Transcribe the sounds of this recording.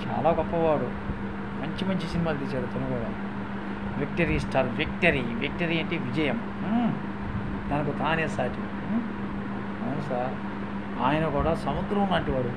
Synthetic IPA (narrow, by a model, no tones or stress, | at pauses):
t͡ʃa̰ːlaːɡɔpːɐʋaːɽu | mɐɲt͡ʃimɐɲt͡ʃisinimaːd̪ɐlit͡ʃːaːɽɐt̪ɐnɐkuːɽaː | ʋekʈɐɾiːsʈaːɾʋek̚ʈɐɾiːʋek̚ʈɐɾiːɐɳʈeːʋid͡ʒɐjɐm | d̪ɐnɐkut̪aːneːsaːʈi | ɐwnusaːɾ | aːjɐnɐkuːɽaːsɐmud̪ɾɐmunaːɳʈiʋaːɽu